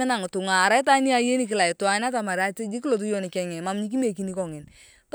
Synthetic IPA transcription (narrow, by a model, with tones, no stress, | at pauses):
na˨ŋ˨tʊ˨ŋaː˨ɾa˦ɪ˦ta˦ni˦a˦je˦ni˨kɪ˦la˨ɪ˨twa˨na˦ta˨ma˨ɾa˦te˦d͡ʒi˦ki˦lo˨t̬u˦jɔ˦ni˨kɛ˨ŋɛ˨ma˨mɲi˦k̬i˦me˨k̬i˨ni˦kɔ˨ŋɪ˨n | t